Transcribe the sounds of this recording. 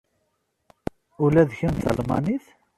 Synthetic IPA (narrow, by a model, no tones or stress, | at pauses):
ʊlæðçəmθə̰lmɑ̰niθ